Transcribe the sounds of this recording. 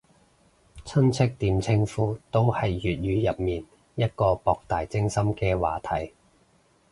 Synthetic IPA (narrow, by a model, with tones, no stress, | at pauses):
t͡sʰɐ˥nt͡sʰɪ˥k̚t̪iː˨˧mt͡sʰɪ˥ŋfuː˧t̪o˥whɐ˨jːyː˨t̚jyː˨˧jɐ˨p̚miː˨n | jɐ˥t̚kɔː˧pɔː˨k̚t̪aː˨jt͡sɪ˥ŋsɐ˥mkɛː˧wa̰ː˨t̪ʰɐ˨˩j